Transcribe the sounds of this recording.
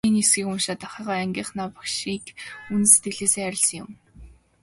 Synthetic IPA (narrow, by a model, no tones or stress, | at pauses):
iːnisɡiːkunʃaːt̪aχiːʁaːæŋɡʲiːχnaːpakʃiːkunse̥t̪ɡɘ̆ɮeːseæɾʲɪ̆ɮsə̆ŋjʊ̰m